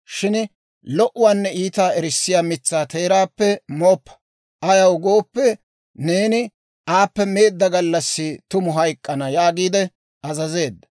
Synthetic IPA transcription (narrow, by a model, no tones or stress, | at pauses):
ʃɪn | lɔʔʊwaːnːɛiːt̪aːɛɾɪsːɪjaːmɪt͡sːaːt̪e̞ːɾaːpːɛmoːpːɐ̥ | ʔɐjɐwʊɡoːpːɛ | ne̞ːnɪ | aːpːɛme̞ːd̪ːɐɡɐlːɐsːɪt̪ʊmʊɦɐjkʼːɐnɐjaːɡiːd̪ɛ | ɐzɐze̞ːd̪ːɐ̥